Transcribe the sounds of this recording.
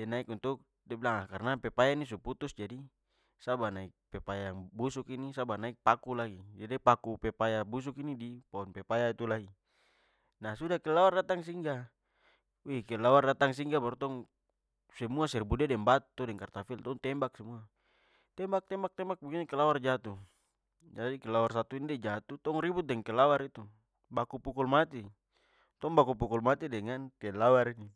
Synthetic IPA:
ɛnaikunt̪uk̚ | dɛbilaŋlakarnapɛpajanis̬uput̪usd͡ʒadi | sabanaik̚pɛpajaŋbusukinisabanaik̚pakulaɡid͡ʒadipakupɛpajabus̬ukinidipaɔnpɛpajait̪ulaɡi | nasudakɛlawardat̪aŋs̬iŋɡa | ikɛlawardat̪aŋs̬iŋɡabaɾut̪ɔŋ | sɛmuasɛrbudɛdɛŋbat̪udɛŋkart̪afilt̪ɔŋt̪ɛmbak̚sɛmua | t̪ɛmbak̚t̪ɛmbak̚t̪ɛmbak̚bukiɲakɛlaward͡ʒat̪u | d͡ʒadikɛlawars̬at̪uindɛd͡ʒat̪ut̪ɔŋribut̪̚dɛŋkɛlawaɾit̪u | bakupukulmat̪i | t̪ɔŋbakup̬ukulmat̪idɛŋankɛlawaɾini

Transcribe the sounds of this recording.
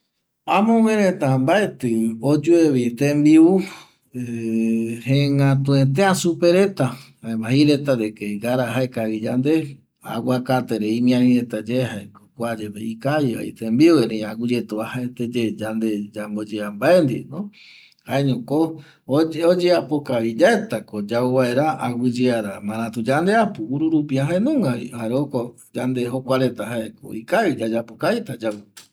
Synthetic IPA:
ãmõwʷẽɾẽt̪ambaet̪ɨod͡ʒueβit̪embiu | e | hẽŋɡãt̪ũẽt̪̬ẽãsupeɾe̞t̪ahaemaɦiɾet̪aɾekeɡaɾaɦaekaβid͡ʒand̪e | a̰wakat̪eɾeimĩãnĩɾet̪ad͡ʒehaekkʷad͡ʒeβeikajia̰ḭt̪embiueɾẽaɡud͡ʒet̪uahaet̪ed͡ʒed͡ʒand̪ed͡ʒambod͡ʒeambaend̪ḭnõ | haeɲõko | oeod͡ʒeapokaβid͡ʒaet̪akod͡ʒauβae̞ɾaawɨd͡ʒeaɾamãɾãt̪ud͡ʒand̪e̞apɨuɾuɾupiaɦaenũŋɡaβḭhaɾeoko | d͡ʒand̪eɦokʷaɾe̞t̪aɦaeko̰ikaβid͡ʒad͡ʒapokajt̪ad͡ʒau

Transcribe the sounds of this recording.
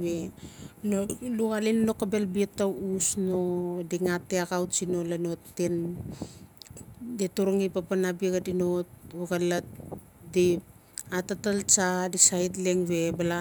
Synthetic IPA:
benoluɣalinno̞kabe̞lbietːausno̞diŋatːeaɡawt͡ʃino̞lano̞tːen | detoɾoŋipapanabiɡadinotuɡalat̚ | dipatatalt͡ʃadisajtleŋβe̞bala

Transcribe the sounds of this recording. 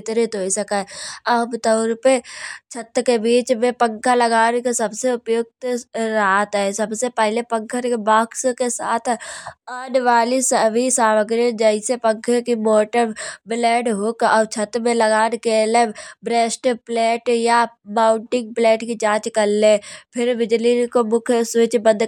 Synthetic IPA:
t̪ɾet̪oisɐkaɐbt̪əʊɾpet͡ʃʰət̪kebiːt͡ʃmẽpə̃ŋkʰalɐɡaːnkesɐbseʊpjʊɡ̚t̪ɾaːt̪ɦɛsɐbsepɛɦlepə̃ŋkʰəɾkebaːkskesa̰ːt̪ʰaːnʋaːlisəbʱisaːʋəɡɾəd͡ʒəɪsepə̃ŋkʰəɾkimoːʈəɾblɛːʈɦʊkɔːɾt͡ʃʰət̪mẽlɐɡaːnekelebɾeːsʈplɛːʈjamaːʊ̃ɳʈɪ̃ŋɡ̚plɛːʈkid͡ʒãːt͡ʃkɐɾlːepʰɪɾbɪd͡ʒlikomʊkʰsʋɪt͡ʃbə̃nd̪

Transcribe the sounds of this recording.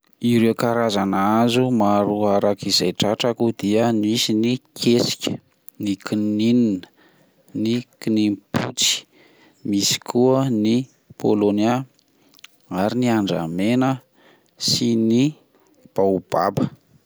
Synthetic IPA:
iɾewkaɾazanazumaɾuaɾakizajʈ͡ʂaʈ͡ʂakud̪iənisinikʰesi̥kʲə̥ | nikinininə̥ | nikinimpʰut͡si̥ | misi̥kʰuəni | pʰolonia | aɾiniaɳɖ͡ʐa̰menə | sini | b̥aub̥a̰bə

